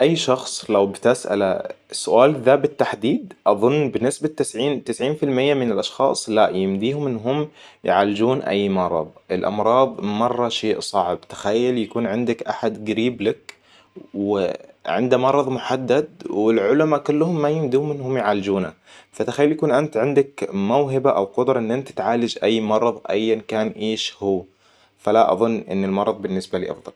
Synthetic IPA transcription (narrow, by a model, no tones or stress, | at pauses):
ʔajːʃɑxsˤlawbɪt̪ɪsʔa̰lasːʊʔaːlðaːbɪt̪ːaħd̪iːd̪̚ʔɑðˤʊnːbɪnːɪsbat̪ːɪsʕiːnt̪ɪsʕiːnfɪlmɪjːamɪnɪlʔɑʃxɑ̰ːsˤlaʔjɪmd̪iːhʊmʔɪnːɦʊmːjɪʕaːlɪd͡ʒuːnʔa̰jːmɑɾˤɑ̰ðˤʔɪlʔɑ̰mɾˤɑːðˤmɑrˤːɑʃeːʔsˤɑʕbt̪ḁxajːaljakuːnʕɪnd̪akʔaħad̪ɡaɾiːblak | wɪʕɪ̰nd̪amɑɾˤɑðˤmʊħad̪ːad̪̚wɪlʕʊlamakʊlːhʊmːajɪmd̪uːmɪnːhʊmjʕaːlɪd͡ʒuːna | fat̪axajːaljakuːnʔant̪ʕɪnd̪akmawɦɪbaʔawqʊd̪ɾˤɑʔɪnːʔɪnt̪ḁt̪ʕaːlad͡ʒʔajːmɑɾˤɑðˤʔa̰jːankaːnʔeːʃhuː | falaʔɑ̰ðˤʊnːʔɪ̰nːɪlmɑɾˤɑðˤbɪnːɪsbalḭːʔɑ̰fd̪ˤɑl